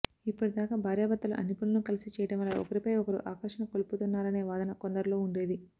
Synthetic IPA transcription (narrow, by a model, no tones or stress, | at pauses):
ipːuʈid̪aːkaːbʱaːɾjabɐt̪ːɐlṵʔɐ̰nipunɐnukɐlisit͡ʃɛːjɐɽɐmɐlaːɔ̰kɐɾipɐjɔkɐɾṵʔaːkɐʂɐnɐkoluput̪unːaːɾɐne̞ːʋaːd̪ɐnɐkond̪ɐɾulo̞ːuɳɖe̞ːd̪i